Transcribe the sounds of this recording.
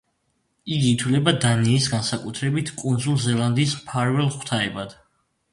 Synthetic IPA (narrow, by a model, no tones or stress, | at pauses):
iɡiːt̪ʰwlɛbad̪aniːsɡansakʼut̪ʰɾɛbit̪ʰkʼund̪zulˠzɛlˠand̪iːsmpʰaɾvɛlˠχt̪ʰaɛbad̪̥